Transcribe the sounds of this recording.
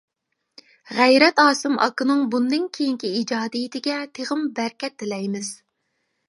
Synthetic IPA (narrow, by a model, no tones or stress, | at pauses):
ʁæjɾɛt̪ɑːsɨmʔɑ̰kʰɨnɨŋbund̪ɨnkʲʰejiŋkʲiid͡ʒɑːd̪ijɪt̪ʰɪɡʲɛt̪ʰeʁɨmbæɾkʲɛt̪ʰːɪlɛjmɪz̥